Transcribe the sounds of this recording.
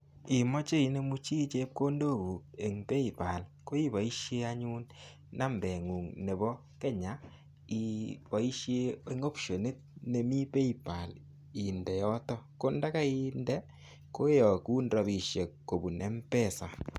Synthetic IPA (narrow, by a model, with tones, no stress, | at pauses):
i˨mɔ˦t͡ʃe˦i˨˦ne˦mu˦t͡ʃi˦t͡ʃe˦p̚ko˦ndo˦˨ɡu˨k̚e˨ŋpe˦i˨pa˨lko˦i˦ba˨i˦ʃje˦a˦ɲu˦n | na˦mbɛ˨ŋu˨ŋne˨bɔ˦ | ke˦ɲa˨˦ | i˨bɔ˨i˦ʃje˦e˦ŋo˦pʃo˨ne˦t̚ne˨mi˦pe˦i˨pa˨l | i˨ndɛ˨jɔ˦tɔ˦ko˦nda˦ka˦i˦ndɛ˦ | ko˦jɔ˨ku˦ndɔ˨bi˨ʃje˨kːo˨bu˨nʔe˦mpɛ˦˨sa˨